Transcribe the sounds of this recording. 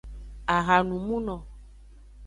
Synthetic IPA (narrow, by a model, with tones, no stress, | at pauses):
a˨ɣa˨nũ˨mũ˦nɔ̃˨